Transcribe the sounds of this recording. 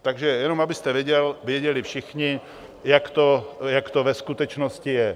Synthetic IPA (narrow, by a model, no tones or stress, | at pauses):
t̪aɡʒɛjɛnomabɪst̪ɛvjɛɟɛlvjɛɟɛlɪfʃɪxɲɪ | jakt̪ojakt̪ovɛskut̪ɛt͡ʃnoscɪjɛ